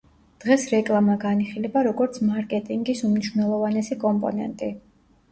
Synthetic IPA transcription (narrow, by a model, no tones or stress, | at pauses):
d̪̥ʁɛsɾɛkʼlˠamaɡaniχilɛbaɾɔɡɔɾt̪sʰmaɾkʼɛt̪ʼiŋɡisumniʃwnɛlˠɔvanɛsikʼɔmpʼɔ̰nɛ̰nt̪ʼi